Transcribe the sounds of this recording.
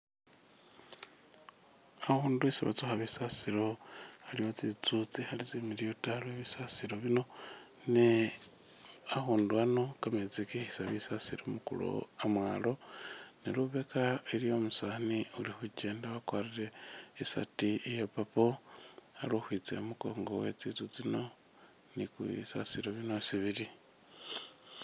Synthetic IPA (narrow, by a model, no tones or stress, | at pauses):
ahuːnduesiβa̰t͡soxaβisasiɾo̞alijot͡sit͡sut͡sihalizemiɾijotalweβisasiɾo̞βino̞ne | ahuːnduano̞kamet͡sikihisaβisasiɾomukṵlo̰amwaːlo̞neɾuβekaiɾijo̞musaːniulixuce̞ːndaβakwariɾe̞ːsa̰tiijepapoa̰lohwiːt͡sḛmuko̰ːŋɡowet͡sit͡sut͡sino̞nikṵβḭsa̰siɾoβinosiβiɾi